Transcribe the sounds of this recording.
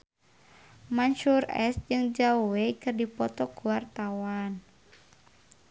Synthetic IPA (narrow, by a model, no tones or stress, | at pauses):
mansurɛ̰sd͡ʒɨŋd͡ʒauwekɨrdipɔt̪ɔkuwart̪awan